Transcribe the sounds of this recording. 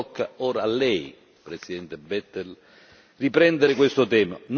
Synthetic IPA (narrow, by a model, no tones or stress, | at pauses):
kʰːaoːɾaːlːɛj | pɾesid̪ɛnt̪ebɛt̪ːel | ripɾɛnd̪eɾɪkwest̪ot̪ɛːman